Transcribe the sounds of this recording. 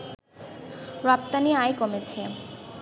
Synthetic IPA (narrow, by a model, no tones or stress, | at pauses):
ɾɔp̚t̪aniajkomet͡ɕʰe